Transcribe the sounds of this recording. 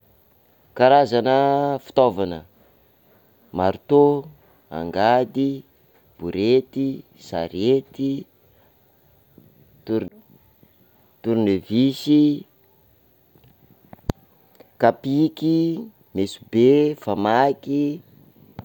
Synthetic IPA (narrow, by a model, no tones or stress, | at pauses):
kaɾazanəfi̥t̪ovanə | maɾut̪o | a̰ŋɡad̪i | b̥uɾet̪i | sa̰ɾet̪i | t̪u | t̪uɾnevisi | kapiki | mesubefamaki